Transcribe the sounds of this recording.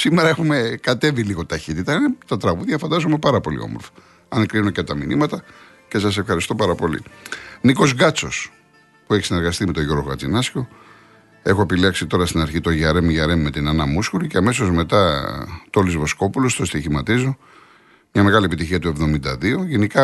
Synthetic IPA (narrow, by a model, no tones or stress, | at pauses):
simeɾɐexume̞kɐt̪e̞viliɣo̞t̪ɐçit̪it̪ɐinet̪ɐt̪ɾɐɣuðʝɐfɐnd̪ɐzumepɐɾɐpo̞lḭo̞̰moɾfɐ̥ | ɐnekɾinunocɐt̪ɐminimɐt̪ɐ | ce̞sɐs̬e̞fxɐɾist̪o̞pɐɾɐpo̞lḭniko̞zɡɐt͡so̞s | pue̞çi̥sine̞ɾɣɐst̪ime̞t̪o̞ʝoɾɣoɣɐt͡sinɐsço̞ | e̞xoepiliɐksit̪o̞ɾɐst̪inɐɾçit̪o̞ʝɐɾe̞mʝɐɾe̞mːe̞t̪inɐnɐmuskoɾiceɐme̞s̬o̞zme̞t̪ɐt̪olizvo̞sko̞pulo̞st̪ost̪içimɐt̪izo̞ | mɲɐme̞ɣɐliepit̪içiɐt̪ue̞vðo̞mind̪ɐðio̞ʝe̞nikɐ